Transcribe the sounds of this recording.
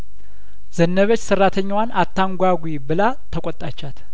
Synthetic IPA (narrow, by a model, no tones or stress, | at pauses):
zənːəβət͡ʃːsɨrːat̪ʰəɲːwanʔat̪ʰːaŋɡʷaɡʷibɨla | t̪ʰəkʷʼɔt̪ʼat͡ʃːat̪